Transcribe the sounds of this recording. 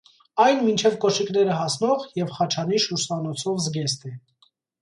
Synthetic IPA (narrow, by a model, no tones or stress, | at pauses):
ɑjnmint͡ʃʰɛvkɔʃiknɛɾəɦɑsnɔʁjɛvχɑt͡ʃʰɑniʃuɾsɑnɔt͡sʰɔvzɡɛst̪ɛ